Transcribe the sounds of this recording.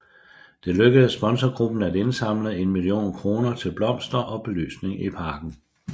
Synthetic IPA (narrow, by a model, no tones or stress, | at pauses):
d̥e̝løɡ̥əð̩ˠsb̥ɒ̽nsɒɡ̥ʁub̥n̩æde̝nsɑ̈m̰ləð̩ˠe̝nmilio̝̰ːnkʰʁo̝ːnɐt͡sʰe̝lb̥lɒ̽m̰sd̥ɐʔɒ̽b̥e̝ly̰ːsne̝ŋipʰɑ̈ːɡ̥n̩